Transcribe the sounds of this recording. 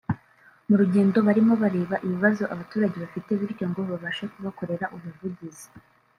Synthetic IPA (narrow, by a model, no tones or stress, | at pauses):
muɾuɟe̞ːndo̞βaɾimo̞βaɾe̞ːβaʔiβiβazo̞ʔaβatuːɾaɟe̞βafite̞βiɾɟo̞ŋɡo̞βaβaʃakuβako̞ɾe̞ɾaʔuβuvuɟizi̥